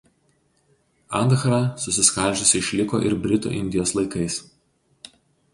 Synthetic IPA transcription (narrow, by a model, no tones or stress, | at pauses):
ɑ̰nd̪xɾɑsʊsʲɪskɐlʲˑʒʲʊsʲɪɪʃʲlʲɪko̰ːʔɪ̰ɾbʲɾʲɪt̪ṵːʔɪnʲd̪ʲɪjoːslˠɐɪkɐɪs